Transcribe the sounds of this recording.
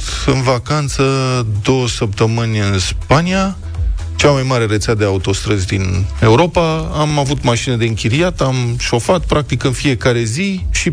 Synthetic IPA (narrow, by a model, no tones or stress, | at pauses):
t̪ɨnvakant̪səd̪o̞wəsəp̚t̪əmɨnʲɨnspania | t͡ʃamajmaɾe̞ɾe̞t̪sead̪e̞aut̪o̞st̪ɾəzʲd̪ine̞uɾo̞paamavut̪maʃinəd̪e̞ɨŋkʲiɾiat̪amʃo̞fat̪̚pɾak̚t̪ikɨnfije̞kaɾe̞ziʃi